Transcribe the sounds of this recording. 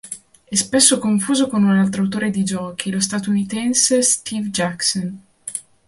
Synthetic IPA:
ɛspesːokoɱfuːzokonunalt̪̬ɾoawt̪oːɾed̪id͡ʒɔːkʰilost̪at̪ounit̪ɛnsest̪ʰivd͡ʒakson

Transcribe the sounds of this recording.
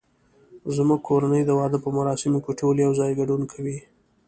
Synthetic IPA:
zmuɡ̚kʰoɾanəjd̪əwɑd̪əpəmaɾɑsɪmokʲeʈoljawzɑjɡaɖunkʰawi

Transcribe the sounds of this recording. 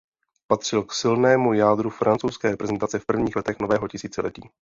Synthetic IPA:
pat̪r̝̥ɪlksɪlnɛːmujaːd̪ɾufɾʔant͡sowskɛːɾɛpɾɛzɛnt̪at͡sɛfpr̩vɲiːxlɛt̪ɛxnovɛːɦocɪsiːt͡sɛlɛciː

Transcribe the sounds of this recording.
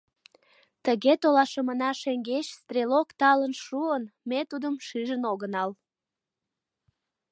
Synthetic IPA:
t̪əɣet̪olɑʃəmənɑʃeŋɡeɕst̪rʲelokt̪ɑlənʃuənmet̪ud̪əmʃyʒənoɣənɑl

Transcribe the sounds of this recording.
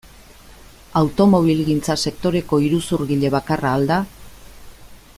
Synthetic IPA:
awt̪o̞mo̞β̞ilɣint͡sase̞kt̪o̞ɾe̞ko̞iɾusuɾɣiʎe̞βakaraːld̪a

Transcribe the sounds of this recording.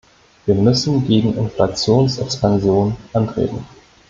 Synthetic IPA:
viːɐmʏsn̩ɡeːɡŋ̩ʔɪnflat͡sjoːnsɛkspanzjoːnʔantʁ̥ḛːtn̩

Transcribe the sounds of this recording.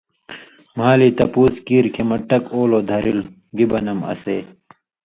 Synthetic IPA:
maːlit̪ɐpuːskiːɾkʰemɐʈːɐkoːloːd̪ʱɐɾʔil | ɡibɐnɐmɐ̰seː

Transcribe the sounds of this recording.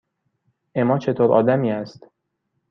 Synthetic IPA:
ʔemɒːt͡ʃʰe̞t̪ʰoːɾʔɒ̰ːd̪æmiːæst̪

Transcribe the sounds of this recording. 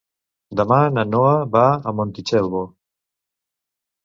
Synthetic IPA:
d̪əmananoaβaːmont̪it͡ʃɛlβo

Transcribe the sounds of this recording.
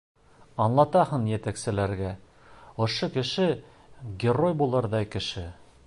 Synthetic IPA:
ɑnlˠɑt̪ɑhɤnjæt̪æksɘ̆læɾɡæ | ŏʃokɘ̆ʃɘ | ɡʲerojbulˠɤɾðɑjkɘ̆ʃɘ

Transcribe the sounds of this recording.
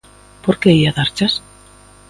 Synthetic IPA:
poɾkeiaðaɾt͡ʃas

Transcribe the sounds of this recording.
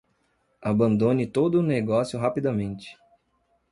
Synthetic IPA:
abɐ̃nd̪õnɪt̪od̪ʊːneɡɔsjʊɦapid̪ɐmẽnt͡ʃɪ̥

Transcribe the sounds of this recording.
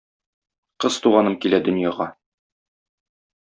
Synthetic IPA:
qɤzt̪uʁɑnɤmkilæd̪ɵ̆njɑʁɑ

